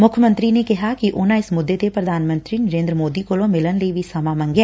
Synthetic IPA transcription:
mʊkʰjəmə̃nt̪ɾinekɛɦakiʔʊnãɪsmʊd̪ːet̪epɾɐd̪ʱaːnmə̃nt̪ɾinɐɾẽːnd̪ɾəmoːd̪ikolõmɪlənleiʋʱisɐmãːmɐ̃ŋɡɛː

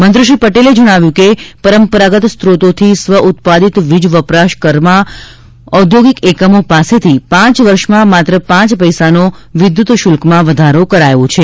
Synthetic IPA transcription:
mənd̪ɾəʃipəʈeled͡ʒəɽ̃aʋjũkepəɾəmpəɾaɡət̪st̪ɾot̪ot̪ʰisʋəʔut̪̚pad̪it̪ʋid͡ʒʋəpɾaʃkəɾmã | ɔd̪ʱjoɡikekəmopaset̪ʰipãt͡ʃʋəɾʃmãmat̪ɾəpãt͡ʃpəjsanoʋɪd̪jut̪ʃʊlkmãʋəd̪ʱaɾokəɾajõt͡ʃʰe

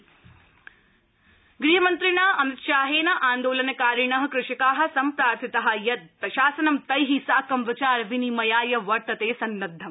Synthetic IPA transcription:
ɡɾiːɦɐmɐnt̪ɾiɳaːɐmit̪ʃaːɦeːnɐʔaːnd̪oːlɐnɐkaːɾiɳɐɦɐkɾɪʂikaːɦɐ̆sɐmpɾaːɾt̪ʰit̪ɐɦɐ̆jɐt̪ːɐʃaːsɐnɐmt̪ɐjɦisaːkɐmʋɪt͡ʃaːɾʋinimɐjaːjɐʋɐɾt̪ɐt̪eːsɐnːɐd̪ʱːɐm

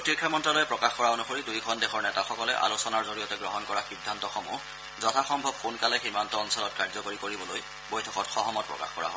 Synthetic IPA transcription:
pɹotkʰːjamɔntɹalojɛpɹɔkaxkɔɹaonuxoɹidujkʰɔndɛxɔɹnɛtaxɔkɔlɛʔa̰losɔnaɹzoɹijɔtɛɡɹɔɦɔnkɔɹaxidʱːantɔxɔmṵ | zɔtʰaxɔmbʱɔbxunkalɛximantɔɔnsɔlɔt̚kaɹzɔkoɹikoɹibɔloj | bojtʰɔkɔtxɔɦɔmɔt̚pɹɔ̰ka̰xkɔ̰ɹa̰ɦɔ

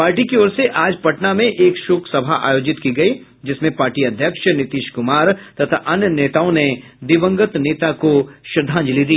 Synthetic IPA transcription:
paːɾʈikiɔːɾseʔaːd͡ʒpɐʈnamẽʔeːkʃoːkʰsɐbʱaʔa̰ːjoːd͡ʒɪt̪kiɡɐi | d͡ʒɪsmẽpaːɾʈiɐd̪ʱjəkʃnɪt̪iːʃkʊmaːɾt̪ɐt̪ʰaʔɐnjəneːt̪aːõned̪ɪʋə̃ŋɡət̪neːt̪akoʃɾd̪ʱãːɲd͡ʒlid̪iː

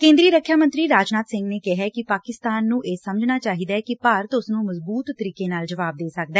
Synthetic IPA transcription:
kẽːnd̪ɾiːɾəkʰːjaːmə̃nt̪ɾiːɾaːd͡ʒnaːt̪sɪ̃ŋɡneːkɪɦɛːkɪpaːkɪst̪aːnːũːʔeːsəməd͡ʒnaːt͡ʃaːɦiːd̪aːkɪpəɾt̪ʊsnũːməzbuːt̪ːəɾiːkeːnaːld͡ʒəʋaːb̚d̪eːsək̚d̪aɛː

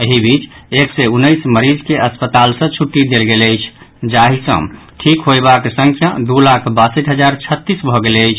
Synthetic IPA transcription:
əɦibit͡ʃeksɛunːəjsməɾid͡ʒkeʔəspət̪alsə̃t͡ʃʰuʈːid̪elɡeləjt͡ʃʰ | d͡ʒaɦisə̰̃ | ʈʰikɦojbaksə̃ŋkʰjad̪ulakʰbasəʈɦəd͡ʒaɾt͡ʃʰət̪ːisbʱɔɡeləjt͡ʃʰ

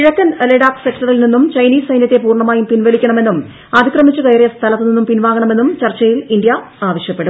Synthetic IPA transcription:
iɻɐkːɐnɐleɽaːksekʈɐrilninːumt͡ɕɐjniːsɐjnjɐt̪ːe̞puːrɳɐmaːjumpinʋɐlikʲːɐɳɐme̞nːum | ɐd̪ikrɐmit͡ɕːukɐjrijɐst̪ʰɐlɐt̪ːɨninːumpinʋaːɡɐɳɐme̞nːumt͡ɕɐrt͡ɕːɐjilind̪jɐ | aːʋɐɕjɐpːeɽum

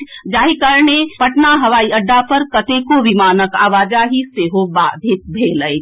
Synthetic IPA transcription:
d͡ʒaːikəɾnepəʈnaɦɐʋaːiəɖːapəɾkət̪ekoʋimaːnəka̰ːʋaːd͡ʒaɦiseːɦobaːd̪ʱɪk̚bʱeːləj

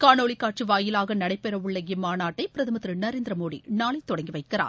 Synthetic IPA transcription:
kaːnoːɭikːaːʈ̚t͡ʃiʋaːjɪlaːɣɐnɐɽɐɪpːɛɾɐʊɭːɐɣɪmaːnaːʈːɐɪpɪɾɐðɐmɐt̪ɾɯnɐɾeːnd̪ɾɐmoːɽḭnaːɭɐɪt̪ːɔɽɐŋɡiʋɐɪkːɪɾa̰ː

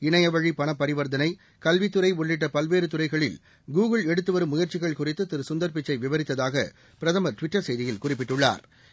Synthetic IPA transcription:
ɪɳɐjɐʋɐɻipɐɳɐpːɐɾɪʋɐɾd̪ɐnɐɪ | kɐlʋɪt̪ːɯɾɐɪʊɭːɪʈ̬ːɐpɐlʋeːɾɯt̪ʊrɐɪɣɐɭɪl | ɡuːɣɯɭɛɽɯt̪ːɯʋɐɾɯmːʊjɐɾt͡ʃɪɣɐɭkʊrɪt̪ːɯt̪ɪɾɯsʊnd̪ɐɾp̬ɪt͡ʃːɐɪʋɪʋɐɾɪt̪ːɐðaːɣɐ̰ | pɪɾɐðɐmɐʈʋɪʈːɐɾsɐjðɪjɪlkʊrɪpːɪʈːɯɭːa̰ːɾ

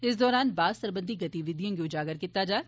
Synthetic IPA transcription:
ɪsd̪ɔːɾaːnbaːsəɾbə̃nd̪ʱiɡɐt̪iʋɪd̪jãːɡiʊd͡ʒaːɡəɾkɪt̪ːad͡ʒaː

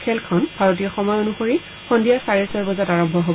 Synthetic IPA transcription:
kʰɛlkʰɔnbʱaɹot̬ijɔxɔmɔjonuxoɹi | xɔndiaɹsaɹiɹsɔɹbɔzataɹɔmbʱɔɦob

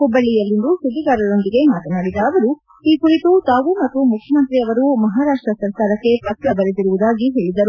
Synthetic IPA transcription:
kubːɐɭːijɐlːind̪usud̪iɡaːɾɐɾo̞nd̪iɡe̞maːt̪ɐnaːɽid̪aːʋɐɾu | iːkuɾit̪ut̪aːʋumɐt̪ːumukʰjɐmɐnt̪ɾiɐʋɐɾumɐɦaːɾaːʂʈɾɐsɐɾkaːɾɐkːe̞pɾɐkɾɐbɐɾet̪iɾuʋud̪aːɡiɦe̞ːɭid̪ɐɾu

